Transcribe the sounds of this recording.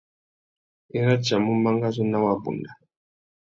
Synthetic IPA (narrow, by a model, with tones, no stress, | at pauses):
ɛ˦ɾa˦d͡ʒa˨mu˦ma˦ŋɡa˦zɔ˦na˦wa˦bṵ˨nda˨